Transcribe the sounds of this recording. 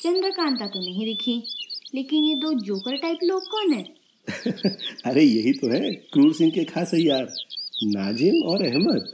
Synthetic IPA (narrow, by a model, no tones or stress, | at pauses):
t͡ʃɐ̃nd̪ɾəkãːnt̪at̪omnɐɦĩd̪ɪkʰileːkɪnjed̪oːd͡ʒoːkəlʈaːɪploːɡ̚kɔːnɦɛ̃ː | ɐɾejɐɦit̪oɦɛ̃kɾuːɾsɪ̃ŋɡkekʰaːsɦɛ̃jaːɾnaːd͡ʒɪmɔːɾɛɦmət̪̚